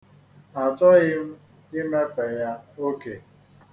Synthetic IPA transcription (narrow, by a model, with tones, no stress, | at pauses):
a˨tɔ˦ɣɪ˦m̩˦ | i˦me˦fɛ˨ja˦o˦ke˨